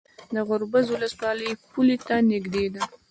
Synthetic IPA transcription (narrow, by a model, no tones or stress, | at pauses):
d̪əɣʊɾbazwʊləswɑləjpulet̪anɪɡd̪ed̪a